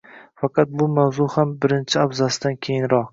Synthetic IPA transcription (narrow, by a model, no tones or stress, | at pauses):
fɑqʰɑt̪̚bʊmawzʊhambɪɾɪnt͡ʃʰɪabzasɪd̪ankʲʰejɪnɾɒq